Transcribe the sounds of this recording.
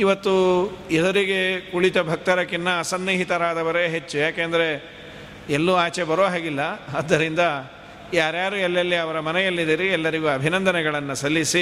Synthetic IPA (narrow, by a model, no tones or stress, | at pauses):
iʋɐt̪ːuɛd̪ɐɾiɡe̞kuɭit̪ɐbʱɐk̚t̪ɐɾɐkinːɐːsɐnːiɦit̪ɐɾaːd̪ɐʋɐɾeɦet͡ʃːujaːkeːnd̪ɐɾe̞ | elːuaːt͡ʃebɐɾoːɦaːɡilːɐːd̪ːɐɾind̪ɐ | jaːɾjaːɾuɛlːɐlːiɐʋɐɾɐmɐnɛjɐlːid̪iɾiɛlːɐɾiɡuɐbʱinɐnd̪ɐnɛɡɐɭɐnːɐsɐlːisi